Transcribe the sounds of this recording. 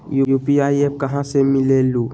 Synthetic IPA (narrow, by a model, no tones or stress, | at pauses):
jujupiajɛp̚kaɦãsemilelu